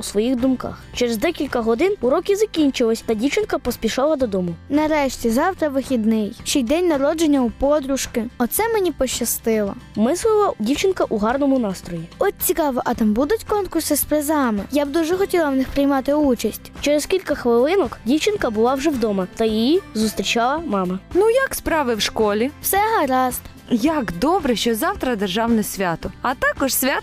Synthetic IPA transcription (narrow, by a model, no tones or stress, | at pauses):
usʋɔjixd̪ʊmkɑ̰xt͡ʃeɾezd̪ɛkʲilʲkɐɦɔd̪ɪnuɾɔkʲizɐkʲinʲt͡ʃɪlˠɐsʲt̪ɐdʲiwt͡ʃɪnkɐpɔsʲpʲiʃɑlˠɐd̪ɔd̪ɔmʊnɐɾɛʃtʲizɑwt̪ɾɐʋɪxʲid̪nɪjt͡ʃɛjd̪ɛnʲnɐɾɔd͡ʒenʲːɐupɔd̪ɾʊʃkɪɔt̪sɛmenʲipɔʃːɐst̪ɪlˠɐ̰mɪslˠɪlˠɐdʲiwt͡ʃɪnkɐʔuɦɑrnɔmʊnɑst̪ɾɔjiɔtʲt͡sʲikɑʋɔʔɐt̪ɑmbud̪ʊtʲkɔnkʊrsɪspɾezɑmɪjab̚d̪uʒɛxɔtʲilˠɐwnɪxpɾɪjmɑt̪ɪut͡ʃɐsʲtʲt͡ʃeɾeskʲilʲkɐxʋɪlˠɪnɔkdʲiwt͡ʃɪnkɐbʊlˠɑwʒɛwd̪ɔmɐt̪ɐjijizʊst̪ɾʲit͡ʃɑlˠɐmɑmɐnujɐkspɾɑʋɪwʃkɔlʲiwsɛɦɐɾɑzt̪ | jakd̪ɔbɾɛʃt͡ʃɔzɑwt̪ɾɐd̪erʒɑwnɛsʲʋʲat̪ʊɐt̪ɑkɔʃsʲʋʲat̪